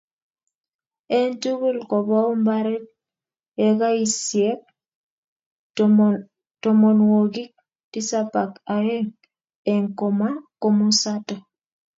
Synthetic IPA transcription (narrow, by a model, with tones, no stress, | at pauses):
e˦ntu˦ɣu˦lkɔ˨bɔ˦mba˦ɾe˦t̚ | e˦ɣa˦i˨sje˦k̚ | to˨mɔ˨nwo˨ɡi˦k̚ | ti˦sa˦pa˨ka˨jɛ˦ŋ | ɛ˨ŋko˨ma˦ko˦mu˦sa˦tɔ˨